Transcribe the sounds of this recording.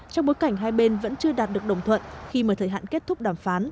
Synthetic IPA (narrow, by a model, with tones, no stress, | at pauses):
t͡ɕɔ˧wŋ͡mɓo˨˦jka˧˩jŋ̟ɦaː˧jɓe˧nvə̰˧˥nt͡ɕɨ˧əɗaː˨˩t̚ɗɨ˨˩ək̚ɗə˨˧˩wŋ͡mt̪ʰwə̰˧˨nxi˧məː˨˩t̪ʰəː˨˩jɦa̰ː˧˨nke˦˥t̪̚ʰʊ˦˥k͡p̚ɗaː˧˩mfaː˨˦n